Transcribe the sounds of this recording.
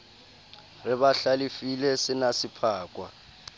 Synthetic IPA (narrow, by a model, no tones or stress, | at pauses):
rɪɓaɬalifilɛsɪnasipʰaːkʼwa̰